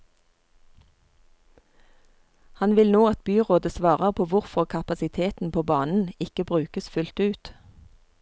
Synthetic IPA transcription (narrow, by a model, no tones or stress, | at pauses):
hɑnʋɪlnoːɑt̪̚byːʁoːd̪əsʋɑːʁəʁpʰoːʋʊʁfɔʁkʰɑpɑsɪt̪ʰeːt̪n̩pʰoːbɑːnn̩ɪkəbʁʉːkəsfʉlt̪ʉːt̪